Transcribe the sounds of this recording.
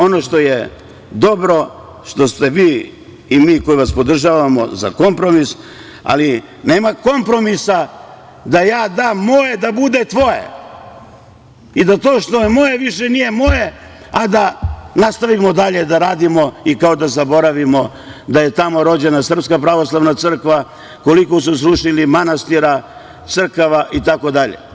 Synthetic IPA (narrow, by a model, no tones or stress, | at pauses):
o̞no̞ʃt̪o̞je | d̪o̞bɾo̞ | ʃt̪o̞st̪e̞ʋiː | imiːko̞iʋaspo̞d̪r̩ʒaʋamo̞̰za̰ko̞mpɾo̞mis | a̰li | neːmako̞mpɾo̞misa | d̪ajaːd̪aːmːoje̞d̪abud̪et̪ʋo̞jḛ | id̪at̪o̞ːʃt̪o̞jemo̞jeʋiʃenije̞mo̞je̞ | ad̪anast̪aʋimo̞d̪aʎe̞d̪aɾaːd̪imo̞ikao̞d̪azabo̞ɾaʋimo̞ | d̪aje̞t̪amo̞ɾo̞d͡ʑe̞nasr̩ps̬kapɾaʋo̞slˠaʋnat̪sɨr̩kʋa | ko̞likosusɾuʃilimanast̪iɾa | t̪sɨr̩kaʋaʔit̪ako̞d̪aʎḛ